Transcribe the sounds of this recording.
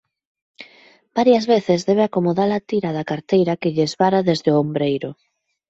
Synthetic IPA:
b̥aɾjɐzβeθɪzðɛβ̞eakomoðalat̪iɾɐðɐkaɾt̪ejɾɐkɪʎezβaɾaðezðeʊombɾejɾʊ

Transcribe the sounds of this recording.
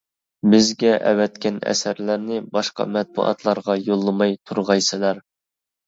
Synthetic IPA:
bɪzɡʲɛʔɛ̰wɛt̪̚kʲɛnɛ̰sæɾlæɾnɪbɑʃqɑ̰mɛt̪̚bṵʔɑ̰t̪ʰlˠɑɾʁɑjolˠːɨmɑjt̪ʰuɾʁɑjsɨlɑɾ

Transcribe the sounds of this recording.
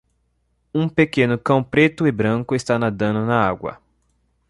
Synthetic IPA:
ũpekẽnʊkɐ̃w̃pɾet̪ʊɪbɾɐ̃kʊɪst̪anad̪ɐ̃nʊnɐaɡwɐ̰

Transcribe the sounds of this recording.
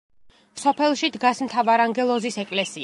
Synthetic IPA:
sɔpʰɛlˠʃid̪ɡasmt̪ʰavaɾaŋɡɛlˠɔzisɛkʼlɛsi

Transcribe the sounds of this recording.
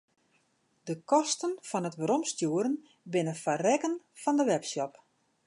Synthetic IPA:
dəkɔstənfɔnətʋəɾɔmstjuəɾən | bɪnəfarɛkən | fɔndəʋɛpsjɔp

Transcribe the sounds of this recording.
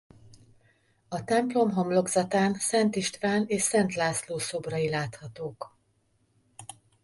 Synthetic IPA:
ɒt̪ɛmplo̞mɦɒmlo̞ɡzɒt̪aːnsɛnt̪iʃt̪vaːneːʃsɛnt̪laːsloːso̞brɒilaːt̪hɒt̪oːk

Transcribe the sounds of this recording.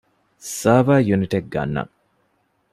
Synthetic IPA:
saːʋaːjuniʈek̚ɡɐ̰nːɐ̰ŋ

